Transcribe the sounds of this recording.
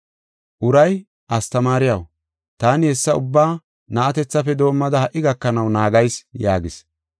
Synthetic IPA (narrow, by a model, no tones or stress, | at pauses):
ʔʊɾɐj | ʔɐst̪ɐmaːɾɪjɐw | t̪aːnɪhɛsːɐʊbːaː | nɐʔɐt̪ɛt͡sːɐfɛd̪o̞ːmːɐd̪ɐhɐʔːɪɡɐkːɐnɐwnaːɡɐjsjaːɡɪs